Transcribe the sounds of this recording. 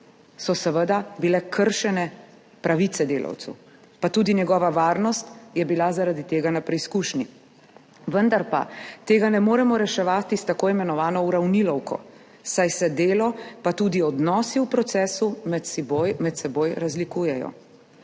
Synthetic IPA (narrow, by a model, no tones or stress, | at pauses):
sɔsəʋəd̪abilɛkʰəɾʃɛnɛ | pɾaʋit̪sɛd̪eːla̰wt̪sṵ | pat̪uːd̪injɛɡɔːʋaʋaːɾnɔst̪jɛbilazaɾad̪it̪eːɡanapɾiskuːʃni | ʋənd̪aɾpa̰t̪eːɡanɛmoːɾɛmɔɾɛʃɛʋaːt̪ist̪akoːimɛnɔʋaːnɔuɾawnilɔwkʰɔ̰ | sajsɛd̪eːlɔpat̪uːd̪iɔd̪nɔːsiupɾɔt̪sɛːsumɛt̪bojmɛt̪sɛboːjɾazlikuːjɛjɔ̰